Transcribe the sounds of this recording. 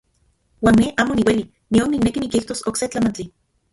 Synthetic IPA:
waːnneʔaːmoniweli | nionːiknekinikiht̪osokset͡ɬamant͡ɬi

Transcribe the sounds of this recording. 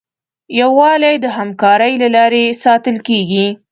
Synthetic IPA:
jawɑlajd̪əɦamkɑɾəjlalɑɾesɑt̪əlkeɡi

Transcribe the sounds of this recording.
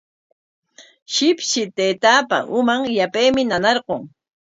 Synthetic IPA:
ʃɪpʃɪt̪eːt̪aːpa̰ʔʊmaŋjapejmɪnanɑɾɢoŋ

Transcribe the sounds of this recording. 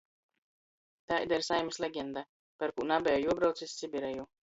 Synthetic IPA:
t̪aːʔid̪ɛɾsajmisʲlʲɛɡʲɛnd̪a | pɛɾkunabɛjojuɔbɾawt̪sisʲsʲibiɾɛju

